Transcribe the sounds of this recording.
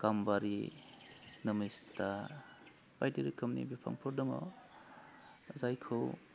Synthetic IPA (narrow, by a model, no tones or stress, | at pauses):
kambaɾi | nɐmista | bajdiɾikʰɐmnḭbipʰa̰ŋpʰɔɾdɐma̰ | zajkʰɯw